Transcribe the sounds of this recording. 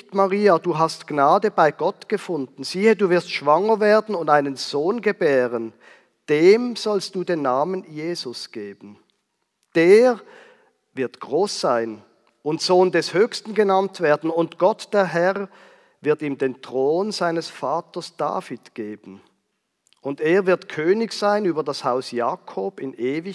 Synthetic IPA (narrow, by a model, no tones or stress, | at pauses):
tmaʁiːad̥uːɦastɡ̥naːdəbaɪɡɔtɡ̥əfʊndn̩z̥iːəduːvɪɐstʃv̥aŋəveːɐdn̩ʊndaɪnənz̥oːnɡəbɛːʁən | d̥eːmz̥ɔlst̚d̥uːdeːnːaːmənjeːzʊsɡ̥eːbn̩ | d̥eːʁ | vɪɐtɡ̥ʁoːsz̥aɪn | ʊntz̥oːndɛshøːçstn̩ɡenantv̥eːɐdn̩ʊntɡ̥ɔtd̥eːɐɦɛʁ | vɪɐtiːmdeːntʁ̥oːnz̥aɪnəsfaːtɐsd̥a̰ːfitɡ̥eːbən̩ | ʔʊndeːɐvɪɐtkʰøːnɪçz̥aɪnyːbɐdashaʊsjaːkʰoːbɪnʔeːvɪ